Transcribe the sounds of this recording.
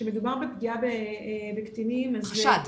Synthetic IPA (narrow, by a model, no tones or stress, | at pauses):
ʃemed̪ubaʁbepɡiabebekt̪inimazʃat̪